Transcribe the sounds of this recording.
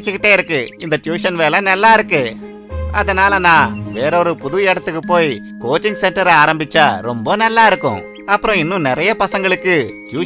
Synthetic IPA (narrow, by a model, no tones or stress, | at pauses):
t͡ʃːɯkɪʈːeːɪɾɯkːɯɪnd̪ɐʈjuːʂɐnʋeːlɐnɐlːaːɪɾɯkːɯ | ɐðɐnaːlɐnãːʋeːɾɔɾɯpʊðʊʋɐɛɽɐt̪ːɯkːɯpːoːj | koːt͡ʃːɪŋɡsɛɳʈɐɾɐaːɾɐmbɪt͡ʃːaːɾɔmbɐnɐlːaːɪɾɯkːʊ̰̃ | ɐpːɯɾõɪnːɯ̃nɪɾɐjɐpɐsɐŋɡɐɭɯkːɯʈjuː